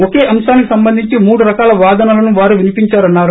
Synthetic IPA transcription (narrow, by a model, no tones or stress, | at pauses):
oke̞ːʔɐmʃaːnikisɐmbɐnd̪ʱiɲt͡ʃimuːɽuɾɐkaːlɐʋaːd̪ɐnalɐnuʋaːɾuʋinipiɲt͡ʃaːɾɐnːaːɾu